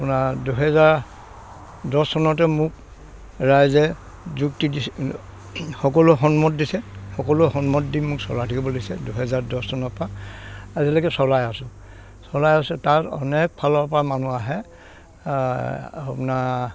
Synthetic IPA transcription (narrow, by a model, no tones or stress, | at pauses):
punaduɦɛzaɹ | dɔsɔnɔtɛmʊk | ɹajzɛ | zuktidi | xɔkɔlʊɦɔnmɔt̚disɛxɔkɔlʊhɔnmɔtdinmʊksɔlatʰakibɔlisɛduɦɛzaɹdɔssɔnɔpaː | zilaɡɛsɔlajasʊ̃ | sɔlajasɛtatɔ̰nɛk̚pʰalɔɹpɹamanuaɦɛ | a̰puna